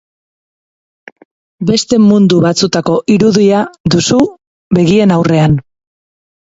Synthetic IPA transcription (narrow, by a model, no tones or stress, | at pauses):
be̞st̪e̞mund̪uβat͡sut̪ako̞ʔiɾuðiaðusu | βe̞ɣie̞nawre̞an